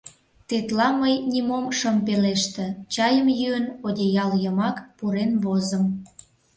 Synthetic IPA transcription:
t̪et̪lɑməjnʲimomʃəmpeleʃt̪ə̆t͡ɕɑjəmjyənodʲejɑljəmɑkpuɾenβozəm

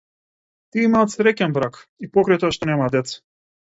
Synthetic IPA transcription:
t̪iimaːt̪sɾɛkʲɛnbɾakipɔkɾajt̪ɔaʃt̪ɔnɛmad̪ɛt̪sḁ

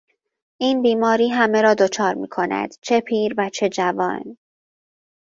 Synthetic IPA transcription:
ʔiːnbiːmɒːɾiːɦæme̞ɾɒːd̪o̞t͡ʃʰɒːɾmḭːkʰo̞næ̰d̪̥t͡ʃʰe̞pʰiːɾvæt͡ʃʰe̞d͡ʒævɒ̰ːn

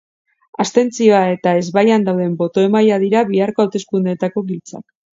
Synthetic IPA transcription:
ast̪e̞nt͡sio̞ae̞t̪ae̞zβajand̪awðe̞mbo̞t̪o̞e̞majaðiɾaβiaɾko̞awt̪e̞skund̪et̪ako̞βilt͡sa̰k

